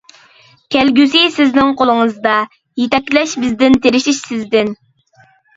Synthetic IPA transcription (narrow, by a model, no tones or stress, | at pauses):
kʲʰɛlɡʲysisɪznɪŋqolˠɨŋəzd̪ɑ | jet̪ɛkʲːlɛʃbɪzd̪ɪnt̪ʰeɾɪʃiʃsɪzd̪ɪn